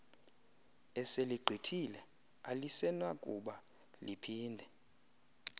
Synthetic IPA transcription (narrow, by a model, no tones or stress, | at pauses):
ɛseliɡ͡ǃʱitʰilɛ | alisɛnwakʼṵɓa | lipʰiːndʱɛ